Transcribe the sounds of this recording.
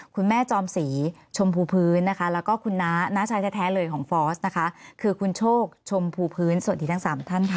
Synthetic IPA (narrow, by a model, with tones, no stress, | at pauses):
kʰu˧nmɛː˥˩t͡ɕɔː˧msiː˩˦ | t͡ɕʰo˧mpʰuː˧pʰɯː˦˥nːa˦˥kʰa˦˥lɛː˦˥wkɔː˥˩kʰu˧nːaː˦˥naː˦˥t͡ɕʰaː˧jt̪ʰɛː˦˥˩t̪ʰɛː˦˥lɤː˧jkʰɔː˩˦ŋfɔː˦˥s̚na˦˥kʰa˦˥kʰɯː˧kʰu˧nt͡ɕʰoː˥˩k̚t͡ɕʰo˧mpʰuː˧pʰɯː˦˥nsu˨˩t̪̚diː˧˩a˦˥saː˩˦mt̪ʰa˥˩nkʰa˦˥˩